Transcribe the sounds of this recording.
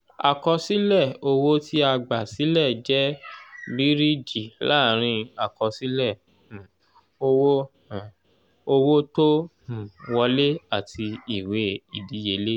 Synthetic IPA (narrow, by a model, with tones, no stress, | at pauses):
a̰˨kɔ˧si˦lɛ˦˨o˧wo˦ti˦a˧ɡ͡ba˨si˨˦lɛ˦˨d͡ʒɛ˦bi˨˦ɾi˦d͡ʒi˨la˦˨ɾ̃ĩ˧a˨kɔ˧si˦lɛ̃˦˨ | o˧wõ˦˨ | o˧wo˦to˦hũ˨wɔ˧le˦a˦˨tʰi˧i˨we˨˦i˨di˨˦je˨˧le˦